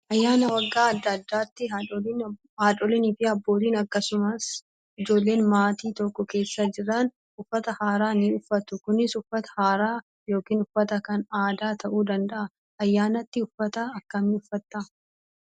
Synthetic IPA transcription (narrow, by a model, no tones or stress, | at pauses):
ʔɐjːaːnɐwɐɡːaːɐd̪ːɐd̪ːaːt̪ːɪ | haːᶑʼɔlɪnifɪɐbːo̞ːt̪iːnɐkːɐsʊmɐs | ɪd͡ʒo̞ːlːe̞ːnmaːt̪iːt̪ɔkːɔke̞ːsːɐd͡ʒɪɾɐn | ʊfːɐt̪ɐhaːɾaːniʊfːɐt̪ʊkʊnːɪsʊfːɐt̪ɐ̥haːɾaː | jo̞ːkiːnʊfːɐt̪ɐkɐnaːd̪aːt̪ʰɐʔuːd̪ɐnd̪ɐʔɐ | ɐjːaːnɐt̪ːɪʊfːɐt̪ɐːkːɐniʊfːɐt̪ːɐ